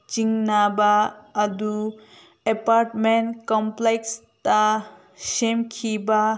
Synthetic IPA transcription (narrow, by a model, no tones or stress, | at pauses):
t͡ʃiŋnabaːdu | epaɾʈmenkɔmpleks | ta | semkʰiba